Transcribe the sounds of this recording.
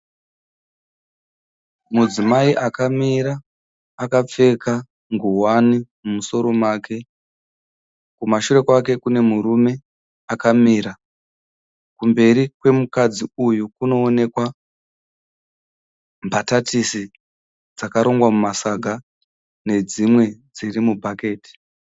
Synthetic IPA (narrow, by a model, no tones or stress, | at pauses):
mud͡zimaiʔakamiɾaː | kap͡fe̞ka | ŋɡuwanimumuso̞ɾo̞maːke̞ | kumaʃuɾe̞kwake̞kune̞muɾume̞ | akamiɾa | kumbe̞ɾikwe̞mukad͡ziujukuno̞ːne̞kwa | mbʱatatisi | d͡zakaɾo̞ŋɡwamumasaɡʱa | ne̞d͡zimwe̞d͡zirimubʱake̞ːti̥